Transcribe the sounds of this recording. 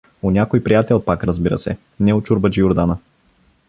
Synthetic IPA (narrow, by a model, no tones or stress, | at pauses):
onʲakojpɾijat̪ɛlˠpakɾɐzbiɾə̰sɛ̰ | nɛʊt͡ʃʊɾbəd͡ʒiʊɾd̪anə